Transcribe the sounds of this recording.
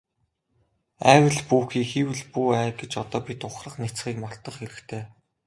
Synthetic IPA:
æːwə̆ɮpuːxiːxiːwɘ̆ɮpuːæːɡet͡ɕɔt̪ɔːpit̪ʊχrə̆χnet͡sχiːkmɔɬt̪ə̆χxeɾɘ̆kt̪ʰeː

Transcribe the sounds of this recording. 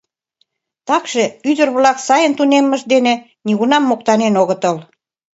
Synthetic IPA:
t̪ɑkʃĕyd̪ə̆rβlɑksɑjənt̪unemːə̆ʒd̪enĕ | niɣunɑmːok̚t̪ɑnenoɣət̪əl

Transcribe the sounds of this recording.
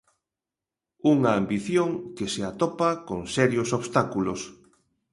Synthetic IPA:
uŋɐːmbiθjoŋkeseat̪ɔpɐkoŋsɛɾjosoβst̪akulos

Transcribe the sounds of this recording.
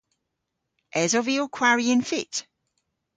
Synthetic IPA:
ʔɛzɔviɔkʰw̥aɹiə̃nfɪt

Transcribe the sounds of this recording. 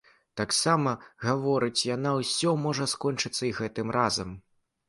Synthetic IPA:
t̪aksamɐɣavɔɾɨt͡sʲjanawsʲɔmɔʐɐskɔnt͡ʂɨt̪sːɐiɣɛt̪ɨmrʔazɐm

